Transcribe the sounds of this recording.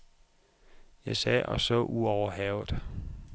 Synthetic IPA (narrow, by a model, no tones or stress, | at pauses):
jɑ̈ɪsɛːʔɒ̽sɔ̰ːʔuɒʊɐɦɛʊd̥